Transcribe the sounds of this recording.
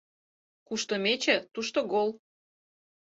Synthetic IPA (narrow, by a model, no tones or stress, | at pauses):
kuʃt̪omet͡ɕĕt̪uʃt̪oɡolˠ